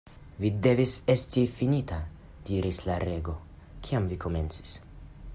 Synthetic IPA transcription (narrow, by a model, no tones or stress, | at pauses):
vide̞vise̞stifinita | diɾislaɾe̞ɡo̞ | kʰiamviko̞me̞̰nt͡si̥s